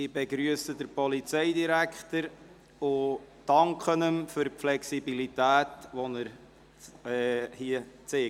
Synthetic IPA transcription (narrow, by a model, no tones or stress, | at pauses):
ɪbɛɡɾyəsəd̪əɾpɔlit͡sɛɪdiɾækχt̪əɾ | ʊ | d̥ɑŋkχənəmfʏɾpflɛksibilit̪æːt̪ʋɔnəɾ | ɛːhiət͡seː